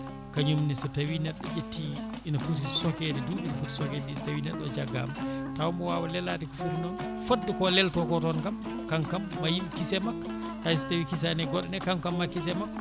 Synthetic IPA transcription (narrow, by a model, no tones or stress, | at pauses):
kaɲumnisitawinɛɗːɔd͡ʒetːi | inafut̬isɔkɛdɛduʔinafuti̥sɔkɛdnistawinɛɗːɔd͡ʒaɡːa̰matawmbɔwawalɛlatikufuɾinɔn | fodːikɔlɛltɔkɔtɔnkam | kaŋkamːajimkisɛmak | tajsi̥tawikis̬anɛɡɔɗɛnɛkaŋkamːakis̬ɛmak